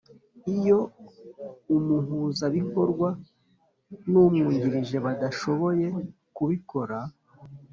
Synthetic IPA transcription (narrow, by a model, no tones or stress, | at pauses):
ijo̞ | umuɦuːzaβiko̞ɾɡwa | numŋuːɲɟiɾiʒe̞βadaʃo̞βo̞je̞ | kuβiko̞ɾa